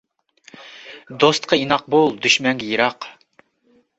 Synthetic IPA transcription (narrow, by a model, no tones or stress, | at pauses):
d̪ost̪qʰɑinɑq̚bolˠd̪yʃmɛŋɡʲɛjəɾɑq